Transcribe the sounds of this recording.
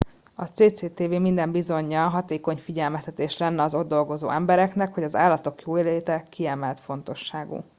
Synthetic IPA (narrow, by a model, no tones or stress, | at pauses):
ɒt̪seːt̪seːt̪eːveːmind̪ɛmbizo̞ɲːɒɦɒt̪eːko̞ɲfiɟɛlmɛst̪ɛt̪eːʃlɛnːɛɒzo̞d̪d̪o̞lɡo̞zo̰ːɛmbɛɾɛknɛkho̞ɟɒza̰ːlːɒt̪o̞kjoːeːleːt̪ɛkiɛmɛlt̪fo̞n̪t̪o̞ʃːaːɡṵ